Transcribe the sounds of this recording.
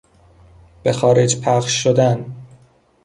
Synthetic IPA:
b̥exɒːɾed͡ʒpʰæχʃːod̪æn

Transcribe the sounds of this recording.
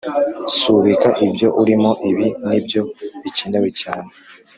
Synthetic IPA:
suβikaʔibjo̞ʔuɾimo̞ʔiβinibjo̞βiciːndawicaːne

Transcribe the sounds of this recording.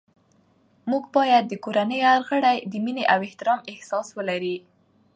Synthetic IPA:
muɡbɑjad̪̚ːəkoɾanəjaɾɣəɽajd̪əmineʔawɪht̪ɪɾɑmɪhsɑswəlaɾi

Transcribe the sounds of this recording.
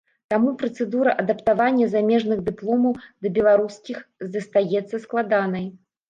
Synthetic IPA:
t̪amupɾɐt̪sɛd̪uɾɐʔɐd̪ɐpt̪avanʲːɐzamʲɛʐnɨɣd̪ɨplˠɔmɐwd̪ɐbʲɛlˠaɾuskʲixzɐst̪ajɛt̪sːɐsklˠad̪anɐj

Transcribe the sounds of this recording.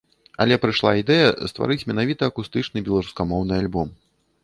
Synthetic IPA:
ɐ̰lʲɛpɾɨʂlˠa̰id̪ɛjɐst̪va̰ɾɨt͡sʲmʲɛnavʲit̪ɐːkust̪ɨt͡ʂnɨbʲɛlˠaɾuskamɔwnɨalʲbɔm

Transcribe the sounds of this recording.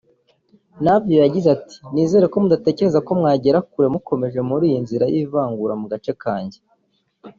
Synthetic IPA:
nabjo̞jaɟizati̥niːze̞ːɾe̞ko̞mudate̞ːce̞ɾe̞zako̞mŋaːɟe̞ɾakuɾe̞muko̞me̞ʒe̞muɾiːjinziɾajiːvaːŋɡuɾamuɡat͡ʃe̞kaːɲɟe

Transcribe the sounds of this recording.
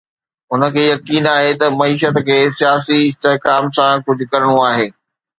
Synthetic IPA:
ʊnə̆kʰeːjɐkiːnaːɦet̪ɐmɐiːʃət̪kʰeːsijaːsiɪst̪eɦkaːmsãkʊd͡ʑʱʊ̆kɐɾɽ̃uaːɦeː

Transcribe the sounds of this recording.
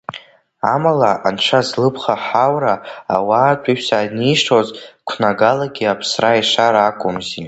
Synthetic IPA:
amalaʔanʈ͡ʂʷʰazlɨpʰχaħawɾaa̰waːtʷʼiʃsaniʂʰozkʷʰnaɡalaɡʲiapʰsraiʂaɾːkʷʼʊmzi

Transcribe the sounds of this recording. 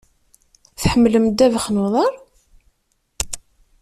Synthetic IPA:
θħəmːləmd̪ːævəχnuðˤɑɾˤ

